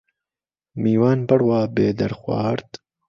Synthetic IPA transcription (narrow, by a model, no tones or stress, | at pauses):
miːwaːnbɐɾwaːbeːd̪ɐɾxwɑ̰ːɾt̪